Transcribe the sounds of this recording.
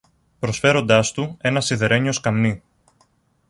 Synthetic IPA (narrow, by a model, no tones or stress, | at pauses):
pɾo̞sfe̞ɾo̞nd̪ɐst̪ue̞nɐsiðe̞ɾe̞ɲio̞skɐmni